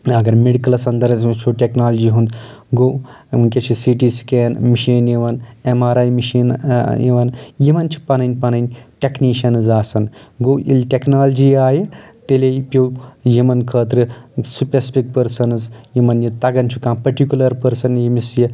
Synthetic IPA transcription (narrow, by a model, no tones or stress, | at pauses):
ɐɡɐɾmeɽikɐlɐsɐnd̪ɐɾɐzt͡ʃʰoʈeknaːld͡ʒiɦũnd̪ɡoː | unkʲet͡ʃʰisiʈiskeːnmiʃiːnjiʋɐnemaːɾaːjmiʃiːnjḭʋɐnjimɐnt͡ʃʰi̥pɐnɐnʲpɐnɐnʲʈʲekniʃɐnzaːsɐnɡoʔḭlʲʈʲeknaːld͡ʒiaːjet̪elepʲjowjimɐnkʰəːt̪ɾɨsupʲespik̚pəɾsɐnɨzjimɐnjit̪ɐɡɐnt͡ʃʰukãːpɐɾʈikʲulɐɾpəɾsɐnjimisji